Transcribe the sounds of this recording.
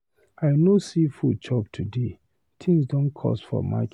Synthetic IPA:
aɪnosifut͡ʃʰɔb̚tʰude | tʰĩŋsdɔ̃nkʰɔ̰sfɔ̰ma̰k

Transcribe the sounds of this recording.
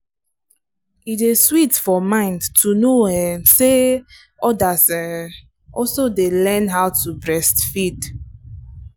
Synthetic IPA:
iteswitfɔmãɪ̃ndtʰunoɛ̃nse | ɔdasɛ | ʔɔsodelɛ̃nɦaʊwtʰubɹɛstfid

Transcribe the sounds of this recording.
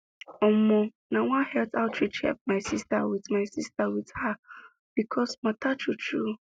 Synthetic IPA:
ɔmɔ̃ | nãwãhɛltʰaʊtʰɹit͡ʃhɛ̰p̚maɪsistawidmaɪsistawidha | b̥ikʰɔsmatʰat͡ʃʰutʰu

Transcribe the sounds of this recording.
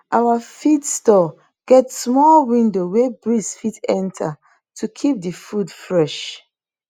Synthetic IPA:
ʔawafitstɔ | ɡ̥ɛtsmɔlwĩndowebɹisfitɛ̃ntʰa | tʰukʰip̚dəfudfɹɛʃ

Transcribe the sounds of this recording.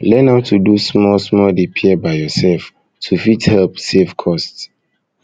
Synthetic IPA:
lɛ̃natʰudusmɔlsmɔldepʰiɛbaɪjɔsɛlf | tʰufithɛlpsefkʰɔsts

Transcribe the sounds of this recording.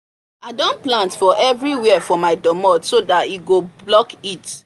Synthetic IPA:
adõnplãntfɔʔɛvɹiwɛɛfɔmaɪdɔmɔtsodatiɡoblɔkit

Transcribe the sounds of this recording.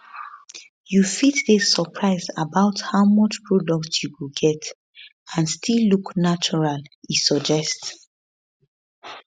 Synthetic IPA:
jufitdesəpʰɹaɪzabaʊthaʊmɔt͡ʃpʰɹɔdɔk̚tjuwiɡɛt | ãnstʰilːuknat͡ʃɔɹalisɔd͡ʒɛst

